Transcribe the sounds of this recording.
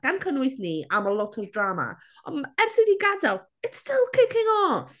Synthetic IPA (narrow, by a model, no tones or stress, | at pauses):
ɡ̥ankʰənwɨsniamɔlˠɔtʰɔrdrama̰ | ɔ̰nɛrsiðiɡadalˠ | ɪtstʰɪlˠkʰɪkɪŋɔθ